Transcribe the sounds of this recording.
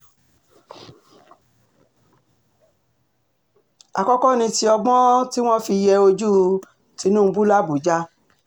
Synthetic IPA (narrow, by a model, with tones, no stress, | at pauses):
a̰˨kɔ˦kɔ˦˨nĩ˧ti˧ɔ˧ɡ͡bɔ̃˦ti˦w̃ɔ̃˦fi˧jɛ˧o˧d͡ʒu˦ | ti˧˦nũ˦˧bu˦la˦bu˨d͡ʒa˦